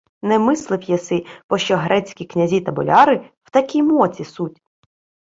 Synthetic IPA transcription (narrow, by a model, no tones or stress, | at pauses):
nɛmɪslˠɪwjɛsɪpɔʃt͡ʃɔɦɾɛt͡sʲkʲiknʲɐzʲit̪ɐbɔ̰lʲɑɾɪw̥t̪ɐkʲijmɔt͡sʲisutʲ